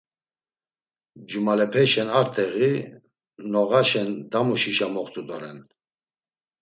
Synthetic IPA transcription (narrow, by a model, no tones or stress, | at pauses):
d͡ʒumalɛpʰɛʃɛnaɾt̪ʰɛɣi | nɔɣaʃɛnd̪amuʃiʃamɔχt̪ʰud̪ɔɾɛn